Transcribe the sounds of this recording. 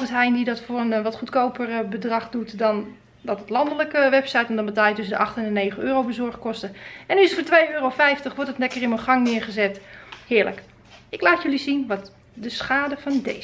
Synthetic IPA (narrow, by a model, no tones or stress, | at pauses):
vətɦɛjndidɔtfʊːrənʋɔtχutkowpərbədrɑχdutdɔn | dɔtətlɑndələkəʋɛpsɛjtɛndɔnbətaːljətøsəndəʔɑxtɛnəneːχənøːrowbəzɔɹχkɔstəɛnyɪsətfoːtʋejøːrofɛjftəχʋɔɹtətnɛkərɪnməχɑŋnɪərχəzɛthɪːɹlə̰k | ɪklaːtjølisinʋɔt | dəsxaːdəfɑnde